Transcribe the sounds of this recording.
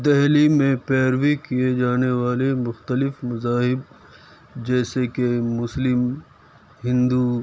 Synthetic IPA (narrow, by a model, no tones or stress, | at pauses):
d̪ɛɦlimẽpɛːɾwikijed͡ʒaːneʋaːlemʊxt̪əlɪfmɐzaːɦɪb̚ | d͡ʒɛːsekemʊslɪm | ɦɪ̃nd̪u